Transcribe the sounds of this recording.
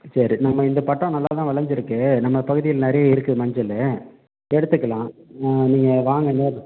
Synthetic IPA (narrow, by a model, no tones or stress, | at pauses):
sɐɾinɐmːɐɪnd̪ɐpɐʈːõːnɐlːaːt̪ãːʋɐɭɐɲd͡ʒɪɾɯkːɯnɐmːɐpɐɣɯðɪjɪlnɛɾɐjɐɪɾɯkːɯmɐɲd͡ʒɐlːɐ | ɛɽɯt̪ːɯkːɐlãːniːŋɡɐʋaːŋɡɐneːɾɯ̃